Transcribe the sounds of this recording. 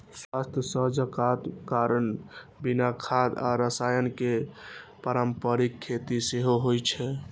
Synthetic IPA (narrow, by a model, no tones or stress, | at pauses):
swast̪əsəɦd͡ʒəkat̪kaɾənbinakʰad̪a̰ɾəsajənkepəɾəmpəɾikʰːet̪iseɦoɦojt͡ʃʰɛ